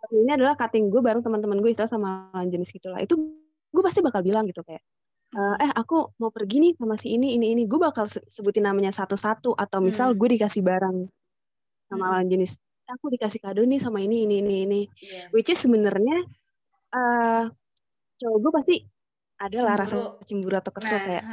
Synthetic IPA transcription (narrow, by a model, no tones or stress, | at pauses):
aiɲaadalahkat̪ɪŋɡuabaɾəŋt̪əmənt̪̬əmənɡuaist̪ilasamalawand͡ʒənɪsɡit̪ula̰ʔḭt̪u | ɡuapast̪ibakalbilaŋɡit̪ukajaʔ | əːʔɛhakumaupərɡinɪsamasɪiniːniːniɡuabakalsəsəbut̪inamaɲasat̪usat̪uʔat̪awmisalɡuadikasɪhbaɾaŋ | samalawand͡ʒənɪs | akudikasɪhkadonɪsamainiːniːniːniwit͡ʃɪsəbənərɲa | ʔəː | t͡ʃaɡuapast̪i | ʔadalahɾasaət͡ʃimbuɾuat̪awkəsəlkaja̰ʔ